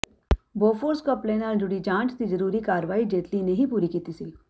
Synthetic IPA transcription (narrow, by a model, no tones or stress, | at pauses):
boːfoːɾskɔpleːnald͡ʒuɽid͡ʒãːt͡ʃt̪id͡ʒɐɾuːɾikaːɾʋaːid͡ʒeːt̪lineɦipuːɾikit̪isi